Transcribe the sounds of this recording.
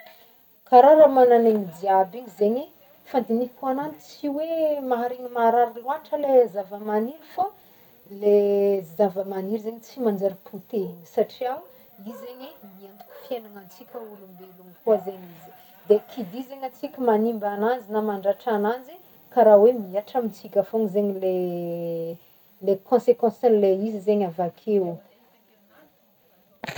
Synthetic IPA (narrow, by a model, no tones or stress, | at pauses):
kaɾaɾamananemid̪iabiɲizeɲi | fand̪inikuananit͡siwemaɦaɾiɲimaɾaɾiluanʈ͡ʂəlezavəmaniɾifa | lezavəmaniɾizeɲit͡simand͡ʒaɾipʰut̪eɲsaʈ͡ʂiaw | izeɲimiant̪u̥kʲu̥fienaŋant͡sikʲəulumbelunkuazeɲizi̥ | d̪ekʰid̪izeɲant͡sikʲəmanimbananzinamaɳɖ͡ʐaʈ͡ʂanazi | kaɾawemiaʈ͡ʂəmit͡sikʲafoŋizeɲile | lekʰɔ̃sekɔ̃sanleizizeɲavakʰeu